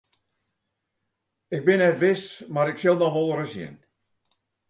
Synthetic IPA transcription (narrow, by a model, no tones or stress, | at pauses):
ɪk̚bɪnɛtʋɪsmaɾɪksɪlˠnɔxʋolˠrəsjɪ̰n